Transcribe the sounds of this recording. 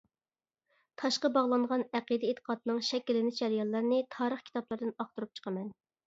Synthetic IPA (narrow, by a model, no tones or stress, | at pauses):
t̪ʰɑʃqəbɑʁlˠɑɴʁɑnæqəd̪ɛet̪ʰə̥qɑt̪nɨŋʃɛkʲilːɪnɪt͡ʃʰɛɾjɑlˠːɑɾnɨt̪ʰɑːɾəχkʲʰi̥t̪ɑplˠɑɾd̪ɨnɑχt̪uɾup̚t͡ʃʰə̥qʰəmɛn